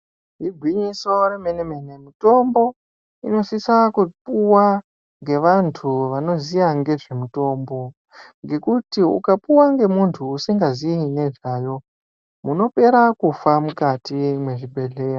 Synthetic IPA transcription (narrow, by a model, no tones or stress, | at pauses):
ɦiɡʱwiɲiso̞remeneme̞ne̞mito̞mbo̞ | ino̞sisakupuwa | ŋɡe̞ʋantʰuʋano̞zijaŋɡe̞ʐe̞muto̞ːmbo̞ | ŋɡe̞kutiṵkapuwaŋɡe̞muntʰuːsiŋɡaziine̞ʐaːjo̞ | muno̞pe̞ɾakufamukatimwe̞ʐibʱe̞ɮe̞ːro